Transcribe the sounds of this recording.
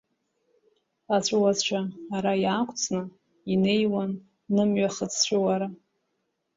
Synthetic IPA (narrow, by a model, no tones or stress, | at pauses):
at͡ɕʷʼwazt͡ʃʷʰaːɾajaːkʷʰʼt͡sʰʼnɨ | ine̞jwanː | ɨmɥaχət͡sʰt͡ɕʷʰʊwaɾa